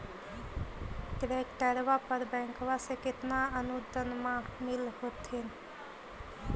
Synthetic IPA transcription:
ʈɾekʈəɾʋapəɾbɛ̃ŋkʋasẽket̪naənud̪ənmamilɦot̪ʰin

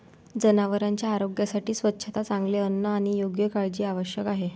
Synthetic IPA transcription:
d͡zənaʋəɾãɲt͡ɕjaːɾoɡjasaʈiːsʋətːɕʰət̪at͡sãŋɡleənːəaɽ̃ijoɡjəkaɾd͡ʑiːaʋəɕjəkaɦe

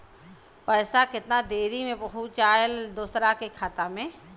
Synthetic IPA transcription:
pɐːsakɪt̪nad̪eːɾimẽpɐɦut͡ʃaːjld̪oːsɾakekʰaːt̪amẽ

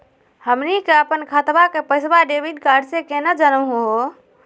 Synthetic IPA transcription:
həmnikeəpənkʰat̪bakepəjsbaɖebʱiɖkaɖsekenəd͡ʒənəɦo

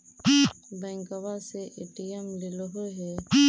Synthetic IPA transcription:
bɛ̃ːŋkəʋaseʔeːʈijəmlɪloɦoɦɛː

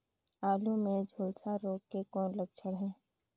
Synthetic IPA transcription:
aːlũmẽd͡ʒʱoːlsaɾoːkːekɔːnləɡ̚t͡ʃʰəɽɦɛ̃ː

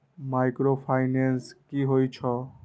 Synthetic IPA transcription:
majkɾopʰajnenskiɦojt͡ɕʰɔ

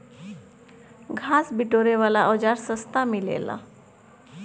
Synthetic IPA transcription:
ɡʱasbiʈoɾeʋalaʔɔd͡ʒaɾsəst̪amilḛla̰

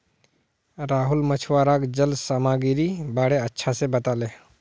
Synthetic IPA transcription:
ɾaːɦʊlmət͡ʃʰwaːɾaːkd͡ʒəlsaːmaːɡiɾibaːɽeətːʃʰasebət̪aːleː

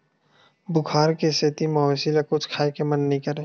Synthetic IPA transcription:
bʊkʰaːɾkeset̪imaːsilɐkʊt͡ʃʰkʰaːekemənːəɦĩkɐɾẽː

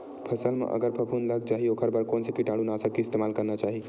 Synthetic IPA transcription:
pʰəsəlmḛʔə̰ɡəɾpʰəpʰunləɡ̚d͡ʒaɦiokʰəɾbəɾkonsekiʈaɽunasəkːiɪst̪emalkəɾnat͡ʃaɦi

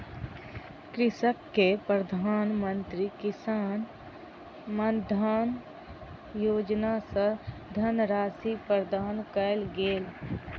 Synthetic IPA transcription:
kɾɪsəkːepɾəd̪ʱaːnmə̃nt̪ɾikɪsaːn | məd̪ʱaːn | joːd͡ʒnasəd̪ʱənɾaːsipəɾd̪ʱaːnkəlɡeːl

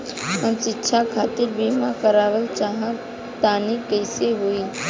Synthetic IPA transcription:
əmsɪtːʃʰakʰaːt̪ɪɾbiːmakəɾaːʋəlt͡ʃaːɦə̃ | t̪aːnikəɪseɦoːiː

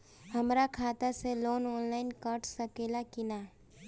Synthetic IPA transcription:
hɐmɾakʰaːt̪aseloːnɔːnlaːɪnkəɾʈʰsɐkeːlakɪnaː

